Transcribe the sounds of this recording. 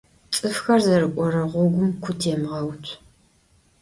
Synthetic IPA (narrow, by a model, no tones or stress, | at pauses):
t͡sʼɨfxɐrzɐɾɨkʷʼɔɾɐʁʷɔɡʷʊmkʷʰʊtʰjɛmʁɐwtʷʰ